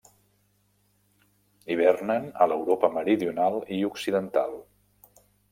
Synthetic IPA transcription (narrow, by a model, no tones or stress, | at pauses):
iβ̞ɛrnənələwɾopəməɾiðiunalˠiuksiðənt̪a̰lˠ